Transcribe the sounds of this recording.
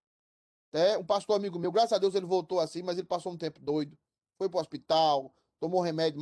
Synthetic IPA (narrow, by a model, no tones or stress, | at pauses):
t̪ɛũpast̪oɾamiɡʊmewɡɾasɐad̪ewzelɪvowt̪oasĩmɐzelɪpasowũt̪ẽpʊd̪ojd̪ʊ | fojpɾʊɔspit̪aw | t̪õmõɦemɛd̪ʊ